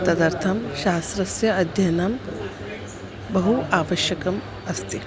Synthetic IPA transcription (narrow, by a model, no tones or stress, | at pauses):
t̪ɐd̪ɐɾt̪ʰɐmʃaːst̪ɾɐsjɐɐd̪ʱjɐnɐm | bɐɦuaːʋɐʃjɐkɐm | ɐst̪i